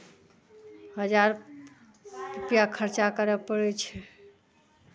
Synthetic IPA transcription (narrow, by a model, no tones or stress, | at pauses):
həd͡ʒaɾ | ɾupijakʰəɾt͡ʃakəɾəpəɽɛt͡ʃʰɛ